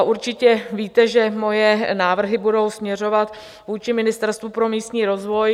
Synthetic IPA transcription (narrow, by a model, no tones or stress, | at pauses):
ʔuɾt͡ʃɪcɛviːt̪ɛʒɛmo̞jɛnaːvr̩ɦɪbudo̞wsmɲɛro̞vat̪ | vuːt͡ʃɪmɪnɪst̪ɛɾst̪vupɾo̞miːst̪ɲiːɾo̞zvo̞j